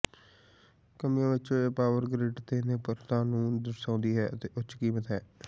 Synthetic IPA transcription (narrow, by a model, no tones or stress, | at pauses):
kəmijãːʋɪt͡ʃoeːpaːʋəɾɡɾɪɖt̪eːnẽːpəɾt̪ãːnũːd̪əɾsãːnd̪iːɦɛːət̪eːʔʊt͡ʃkiːmət̪ɦɛː